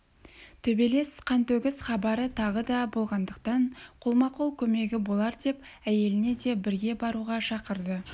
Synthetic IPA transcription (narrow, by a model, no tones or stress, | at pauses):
t̪ʰɵbe̞le̞sqʰɑnt̪ɵɡʲɪsχɑbɑɾət̪ʰɑʁəd̪ɑbo̞lˠʁɑnd̪əq̚t̪ɑɴqʰolˠmɑqolˠkʲʰɵme̞ɡʲɪbo̞lˠɑɾd̪e̞p | æje̞lɪne̞d̪e̞bɪɾɡʲe̞bɑɾuʁɑʃɑqəɾd̪ə